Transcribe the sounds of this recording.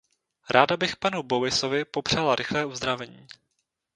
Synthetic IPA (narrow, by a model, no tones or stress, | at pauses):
ɾaːdabɪxpanubo̞vɪso̞vɪpo̞pr̝̥alaɾʔɪxlɛːʔuzd̪ɾavɛɲiː